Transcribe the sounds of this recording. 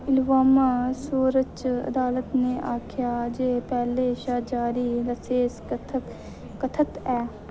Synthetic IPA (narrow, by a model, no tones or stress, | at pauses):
ɪlʋaːmãːsuːɾət͡ʃə̰d̪aːlət̪neːʔaːkʰjaːd͡ʒeːpɛːleːʃaːd͡ʒaːɾiːɾəseːsk | kət̪ʰət̪ɛː